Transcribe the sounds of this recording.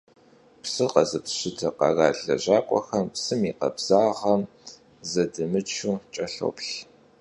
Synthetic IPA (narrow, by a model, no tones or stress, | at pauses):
psɨqɐzɨpɕɪdʰɐqɐ̰raːɮɐʑaːqʷʼɔ̰xɐmpsɨmiːqɐ̰bz̥aːʁɐm | zɐdɨmɨt͡ʃʰuːt͡ʃʼɐɬo̰ːpɬ